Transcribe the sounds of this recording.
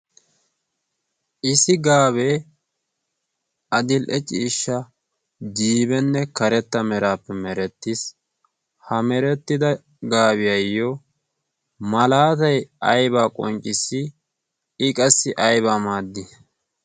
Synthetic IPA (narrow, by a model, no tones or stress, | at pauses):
ʔɪsɪɡaːβeː | ɐd̪ɪlʔɛt͡ʃʼiːʃːɐ | d͡ʒiːbɛnːɛkɐɾɛt̪ːɐmɛɾaːpːɛmɛɾɛt̪ːɪs | hɐmɛɾɛt̪ːɪd̪ɐ | ɡaːbɪjɐjːɔ | mɐlaːt̪ɐjɐjbaːkʼɔnt͡ʃʼɪsːɪ | ɪkʼɐsːɪʔɐjbaːmaːd̪ːɪ